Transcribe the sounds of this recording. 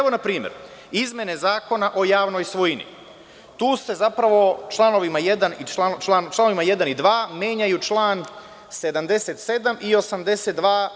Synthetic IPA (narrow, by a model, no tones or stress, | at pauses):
eʋo̞napɾiːmjḛɾ | izmʲje̞ne̞zaːko̞naʔo̞jaːʋno̞jsʋojinḭ | t̪uːse̞zapɾaʋo̞t͡ʃlˠano̞ʋimaje̞d̪anit͡ʃlat͡ʃlant͡ʃlˠano̞ʋimaje̞d̪anid̪ʋaːmje̞ːɲajut͡ʃlˠaːn | se̞d̪amd̪e̞set̪se̞d̪amio̞samd̪e̞set̪̚d̪ʋaː